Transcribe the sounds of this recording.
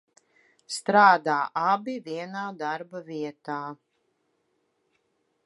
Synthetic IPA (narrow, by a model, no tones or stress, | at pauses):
st̪ɾaːd̪aːʔabiviɛnaːd̪aɾbaviɛt̪aː